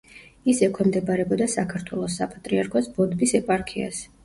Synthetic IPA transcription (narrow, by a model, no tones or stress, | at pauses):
isɛkʰwɛmd̪ɛbaɾɛbɔd̪asakʰaɾt̪ʰwɛlˠɔsːapʼat̪ʼɾiaɾkʰɔsbɔd̪bisɛpʼaɾkʰia̰s